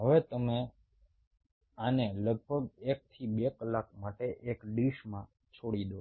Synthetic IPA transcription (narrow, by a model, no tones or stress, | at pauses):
ɦəʋet̪əme | aneləɡ̚bʱəɡek̚t̪ʰibekəlakmaʈeʔekɖiʃmã | t͡ʃʰoɽid̪o